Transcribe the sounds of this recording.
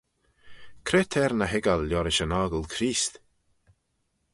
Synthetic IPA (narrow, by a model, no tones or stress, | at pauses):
kʰɾeːt̪ʰɛɾnəɦɪɡalːjɔɾɪʃənaːɡəlkʰɾiːst̪